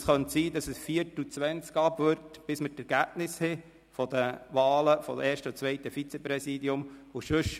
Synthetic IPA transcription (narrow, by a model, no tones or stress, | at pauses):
sχœntsiːdɑsəsfiəɾtut͡sʋɛnt͡skɑbʋøɾtb̥ɪsmətɛɾɡ̥æbnɪshɪ | fɔd̥̪əʋɑːləfɔʔɛːɾʃtəʊt͡sʋɛɪtəfit͡sɛpɾɛsiːdiʊmʊʃʉʃ